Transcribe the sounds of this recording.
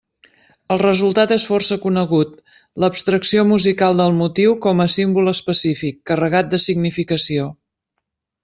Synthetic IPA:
əlˠrəzulˠt̪at̪esfɔrsəkunəɣut̪ | ləpst̪ɾəksiomuzikalˠd̪əlˠmut̪iwkɔməsimbuləspəsifikːərəɣat̪̚d̪əsiɡnifikəsio

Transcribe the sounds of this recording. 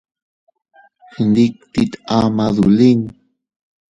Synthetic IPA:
hənd̪ik̚t̪it̪amaðṵliŋ

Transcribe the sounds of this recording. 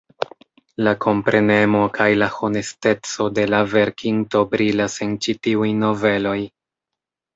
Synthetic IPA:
lakʰo̞mpɾe̞ne̞mo̞kʰajlaho̞ne̞ste̞t͡so̞de̞lave̞ɾkʰiŋto̞bɾilase̞nt͡ʃitiujno̞ve̞lo̞j

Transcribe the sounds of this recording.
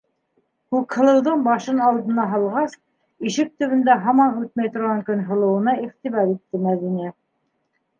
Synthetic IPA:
kʉkhɤ̆lˠɤ̆wd̪ɤɴbɑʃɤnɑlˠd̪ɤ̆nɑɦɑlˠʁɑs | iʃɘk̚t̪ɵ̆βɘ̆nd̪æɦɑmɑnʉt̪̚mæjt̪ŏɾʁɑŋkɵnɦɤ̆lˠɤ̆wɤ̆nɑiʁt̪iβɑɾit̪ːɘmæðinæ

